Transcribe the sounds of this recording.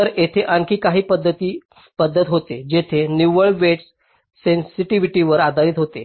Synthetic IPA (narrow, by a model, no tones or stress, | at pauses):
əɾet̪ʰeʔəŋkiːkaɦiːpəd̪ʱːət̪iː | pəd̪ʱːət̪ɦot̪ed͡ʑet̪ʰeniʋəɭʋeʈs | sensiʈiʋiʈiʋəɾad̪ʱaɾiːt̪ɦot̪e